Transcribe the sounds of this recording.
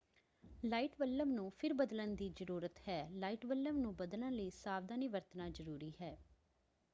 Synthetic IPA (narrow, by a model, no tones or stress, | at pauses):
laːiːʈʋəlːəmnũːpʰɪɾbəd̪lənd̪iːzəɾuːɾət̪hɛːlaːiːʈʋəlːəmnũːbəd̪lə̃nləiːsaːʋd̪aːniːʋəɾt̪naːd͡ʒəɾuːɾiːɦɛː